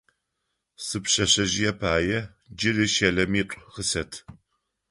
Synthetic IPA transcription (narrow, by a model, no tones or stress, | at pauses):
sɨpɕɐɕɐʒɪjɛpʰaːjɛ | d͡ʒɪrɨʃɐɮɐmiːtʷʼʁəsɐtʰ